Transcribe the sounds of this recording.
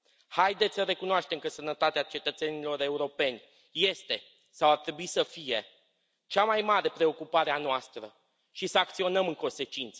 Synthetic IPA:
hajd̪et̪sʲsəɾe̞kunoaʃt̪e̞mkəsənət̪at̪eat͡ʃe̞t̪ət̪se̞nilo̞ɾe̞uɾo̞pe̞nʲ | je̞st̪e̞ | sawart̪ɾe̞buisəfije̞ | t͡ʃamajmaɾe̞pɾe̞o̞kupaɾeanoast̪ɾə | ʃisəak̚t̪sio̞nəmɨŋko̞nse̞t͡ʃint̪sə

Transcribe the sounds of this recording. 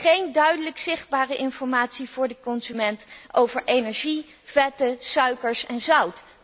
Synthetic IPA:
χejndœɥdələksɪχd̚baːrəʔɪnfɔɹmaːtsivʊːɹdəkɔnzymɛntowvəɹʔejnɛɹʒi | v̥ɛtəsœɥkəɹsɛnzʌwt

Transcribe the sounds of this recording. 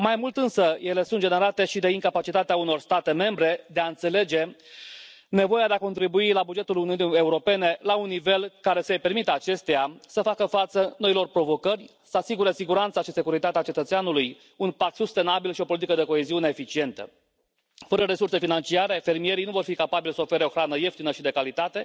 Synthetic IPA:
majmult̪ɨnsəje̞le̞sund͡ʒeneɾat̪e̞ʃid̪e̞iŋkapat͡ʃit̪at̪eauno̞rst̪at̪e̞me̞mbɾe̞d̪e̞aɨnt̪se̞le̞d͡ʒe̞ | ne̞vo̞jad̪eako̞nt̪ɾibuilabud͡ʒe̞t̪uluniunie̞uɾo̞pe̞ne̞launːive̞lkaɾe̞səejpe̞rmit̪əat͡ʃe̞st̪ejasəfakəfat̪səno̞ilo̞rpɾo̞vo̞kərʲ | səasiɡuɾe̞siɡuɾant̪saʃise̞kuɾit̪at̪eat͡ʃe̞t̪ət̪seanuluj | unpak̚t̪sust̪e̞nabilʃio̞po̞lit̪ikəd̪eko̞eziuneːfit͡ʃie̞nt̪ə̰ | fəɾəɾe̞surse̞finant͡ʃiaɾe̞fe̞rmije̞ɾijnuvo̞rfikapabilsəofe̞ɾeo̞xɾanəje̞ft̪inəʃid̪e̞kalit̪at̪e̞

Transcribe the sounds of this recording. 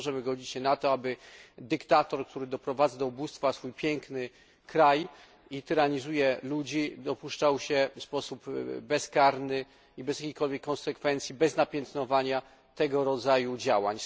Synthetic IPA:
ʐɛmɘɡɔd͡ʑit͡ɕɕɛnat̪ɔabɘd̪ɘkt̪at̪ɔɾk̚t̪ʰuɾɘd̪ɔpɾɔvad̪zad̪ɔubust̪fasfujpʲjɛŋknɘ | kɾaj | it̪ɘɾaɲizujɛlud͡ʑid̪ɔpuʂt͡ʂawɕɛfspɔsupbɛskaɾnɘ | ibɛzjakʲejkɔlvʲjɛkːɔnsɛkfɛnt̪sʲjibɛznapʲjɛnt̪nɔvaɲa | t̪ɛɡɔɾɔd̪zajud͡ʑa̰wa̰ɲ

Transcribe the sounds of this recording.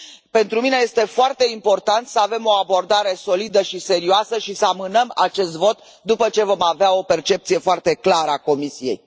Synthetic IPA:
pe̞nt̪ɾumineje̞st̪e̞foart̪e̞impo̞rt̪ant̪səave̞mo̞abo̞rd̪aɾe̞so̞lid̪əʃise̞ɾioasəʃisəamɨnəma̰t͡ʃe̞st̪vo̞t̪ | d̪upət͡ʃe̞vo̞maveao̞pe̞rt͡ʃe̞p̚t̪sije̞foart̪e̞klaɾəako̞misije̞j

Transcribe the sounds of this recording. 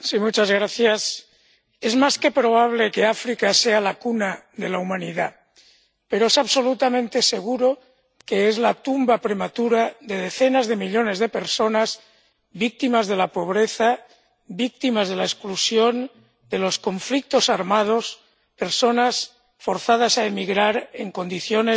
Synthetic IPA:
simut͡ʃazɣ̞ɾaθjas | e̞zmaske̞pɾo̞β̞aβ̞le̞keafɾikasealakuna | ðelaumãniða | pe̞ɾoesaβso̞lut̪amẽnt̪e̞se̞ɣ̞uɾo̞ | keezlat̪umbapɾe̞mat̪uɾaðe̞ðe̞θenazðe̞miʎo̞ne̞zðe̞peɾso̞naz | βik̚t̪imazð̞e̞lapo̞β̞ɾeθa | βik̚t̪imazð̞elaesklusjon | d̪elo̞sko̞ɱflik̚t̪o̞saɾmað̞o̞s | pe̞ɾso̞nas | foɾθað̞asaemiɣɾaɾeŋko̞nd̪iθjone

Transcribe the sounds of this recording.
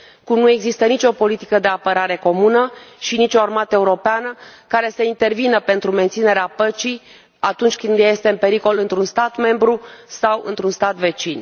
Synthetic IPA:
kumnue̞ɡzist̪ənit͡ʃʲo̞po̞lit̪i̥kəd̪e̞apəɾaɾe̞ko̞munəʃinit͡ʃʲo̞armat̪əeuɾo̞peanəkaɾe̞səint̪e̞rvinəpe̞nt̪ɾument̪sine̞ɾeapət͡ʃi | at̪unt͡ʃʲkɨnd̪je̞st̪e̞ɨmpe̞ɾiko̞lɨnt̪ɾunst̪at̪me̞mbɾusawɨ̰nt̪ɾunst̪at̪ve̞t͡ʃin

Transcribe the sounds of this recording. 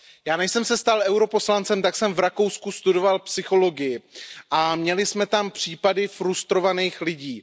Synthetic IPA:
jaːnɛʃsɛmsɛst̪alʔɛwɾo̞po̞slant͡sɛmt̪aksɛmvɾako̞wskust̪udo̞valpsɪxo̞lo̞ɡɪjɪʔamɲɛlɪsmɛt̪ampr̝̥iːpadɪfɾust̪ɾo̞vaniːxlɪɟiː

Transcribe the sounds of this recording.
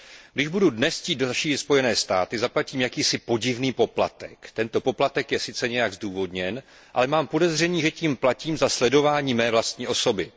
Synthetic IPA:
ɡdɪʒbududnɛsciːt̪doʃiːɪt̪spo̞jɛnɛːst̪aːt̪ɪzaplaciːmjakiːsɪpo̞ɟɪvniːpo̞pla̰t̪ɛkt̪ɛnt̪o̞po̞plat̪ɛkjɛsɪt͡sɛɲɛjaɡzduːvo̞dɲɛn | ʔa̰lɛmaːmpo̞dɛzr̝ɛɲiːʒɛciːmplaciːmzaslɛdo̞vaːɲiːmɛːvlast̪ɲiːʔo̞so̞bɪ

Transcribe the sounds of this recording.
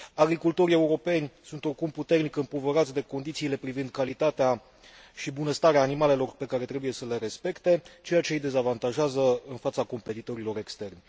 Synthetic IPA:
aɡɾikult̪o̞ɾie̞uɾo̞pe̞nʲsunt̪o̞rkumput̪e̞rnikɨmpovəɾat̪sʲd̪e̞ko̞nd̪it̪siːle̞pɾivind̪̚kalit̪at̪ea | ʃibunəst̪aɾeaːnimale̞lo̞rpe̞kaɾe̞t̪ɾe̞buje̞səle̞ɾe̞spe̞kt̪e̞t͡ʃe̞jat͡ʃe̞ijd̪e̞zavant̪aʒeazəɨnfat̪sako̞mpe̞t̪it̪o̞ɾilo̞ɾe̞kst̪e̞rnʲ

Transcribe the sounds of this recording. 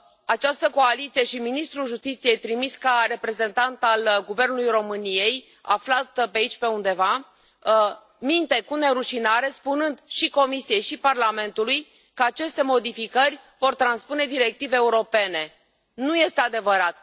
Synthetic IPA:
at͡ʃast̪əko̞alit̪sije̞ʃiminist̪ɾulʒust̪it̪sije̞jt̪ɾimiskare̞pɾe̞ze̞nt̪ant̪alɡuve̞rnulujro̞mɨnije̞j | a̰flat̪peait͡ʃʲpe̞und̪e̞va | mint̪e̞kune̞ɾuʃinaɾe̞spunɨnd̪ʃiko̞misije̞jʃiparlame̞nt̪uluj | kəat͡ʃe̞st̪e̞mo̞d̪ifikərʲvo̞rt̪ɾanspune̞d̪iɾe̞k̚t̪iveːuɾo̞pe̞ne̞ | nuje̞st̪e̞ad̪e̞vəɾat̪

